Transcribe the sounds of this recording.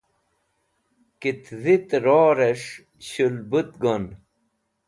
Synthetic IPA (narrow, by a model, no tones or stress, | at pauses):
kit̪zit̪ɾoːɾeʂ | ɕulbut̪̚ɡon